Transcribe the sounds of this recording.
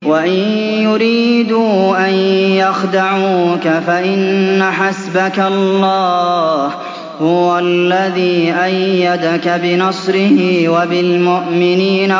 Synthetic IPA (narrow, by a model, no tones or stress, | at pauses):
waʔɪnjʊɾiːd̪uːʔanjɑxd̪aʕuːkafaʔɪnːaħasbakalːɑːh | hʊwalːaðiːʔajːad̪akabɪnɑsˤɾɪhiwabɪlmʊʔmɪniːna